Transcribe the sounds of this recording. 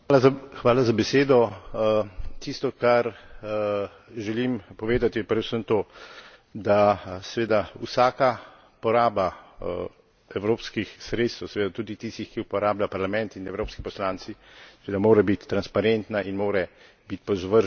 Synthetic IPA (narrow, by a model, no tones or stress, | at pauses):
alaxʋaːlazabɛseːd̪ɔ | t̪ist̪ɔkaɾ | ʒɛlimpɔʋeːd̪at̪ipɾɛd̪usəmt̪oː | d̪asɛʋeːd̪ausaːka | pɔɾaːba | ɛwɾoːpskixsɾeːt̪st̪əwsɛʋeːd̪at̪uːd̪it̪ist̪ixkiupɔɾaːblapaɾlamɛ̃nt̪inɛwɾoːpskipɔslaːnt̪sisɛʋeːd̪amoːɾɛbit̪ːɾanspaɾent̪naʔinmoːɾɛ | bit̪pɔzʋəɾʒ